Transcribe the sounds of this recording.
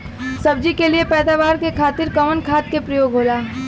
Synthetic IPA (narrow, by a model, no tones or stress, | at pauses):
sɐb̚d͡ʒikeliepɛːd̪aːʋaːɾkekʰaːt̪ɪɾkɐmənkʰaːt̪̚kepɾəjoːɡɦoːlaː